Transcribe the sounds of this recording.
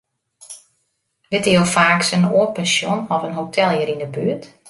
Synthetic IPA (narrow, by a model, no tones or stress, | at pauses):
dɪtəlˠfaːksənoəpɛnsjonɔfənɦotʰɛlˠəɾindəbyət